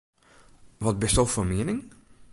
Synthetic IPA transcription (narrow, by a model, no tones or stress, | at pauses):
ʋɑt̚bəstɔlˠfoːmeːnɪŋ